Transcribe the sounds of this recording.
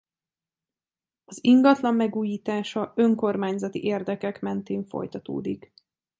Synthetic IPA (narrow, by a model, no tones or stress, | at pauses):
ɒziŋɡɒt̪lɒmːɛɡuːjiːt̪aːʃɒø̞ŋko̞rmaːɲzɒt̪ḭʔeːrd̪ɛkɛkmɛnt̪eːɱfo̰jt̪ɒt̪o̰ːd̪ik